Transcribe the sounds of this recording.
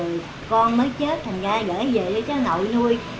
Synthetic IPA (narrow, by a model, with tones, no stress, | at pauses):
ɨ˨˩ | kɔ˧nməː˨˦jt͡ɕə˦˥t̚t̪ʰa˨˩jŋ̟zaː˧ɣə̰ː˧˥jze˨˩ɗə˧t͡ɕaː˨˦no̰˧˨jnu˧əj